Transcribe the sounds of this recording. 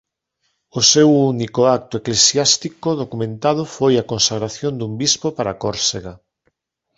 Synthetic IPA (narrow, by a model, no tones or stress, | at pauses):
osewunikoak̚t̪ʊeklesjast̪ikoðokumẽnt̪að̞ʊfojakonsaɣɾaθjond̪umbispopaɾakoɾseɣa